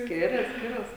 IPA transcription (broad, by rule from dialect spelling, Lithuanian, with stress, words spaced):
ˈsʲkʲɪrʲɛs ˈsʲkʲɪrɐs